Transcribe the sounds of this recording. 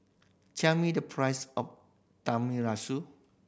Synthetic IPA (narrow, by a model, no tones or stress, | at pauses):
t͡ʃɛmidəpʰɹajsɔf | tãmiɹasu